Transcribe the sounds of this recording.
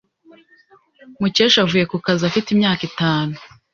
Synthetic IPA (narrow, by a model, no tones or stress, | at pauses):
muceːʃavuːje̞kukazafitimɲaːkitaːnu